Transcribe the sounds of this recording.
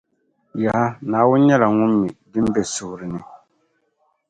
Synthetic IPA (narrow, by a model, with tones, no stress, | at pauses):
ja˨ha˦naː˨wʊ˦n˦ɲɛ˦la˨ŋʊ˦mːi˨dɨ˦m˦bɛ˨sʊ˨hʊ˨ɾɨ˨nɨ˦